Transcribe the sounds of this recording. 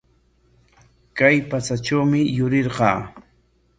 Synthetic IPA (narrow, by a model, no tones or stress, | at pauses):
kajpat͡sat͡ʃawmɪjʊɾɪɾɢɑ̰ː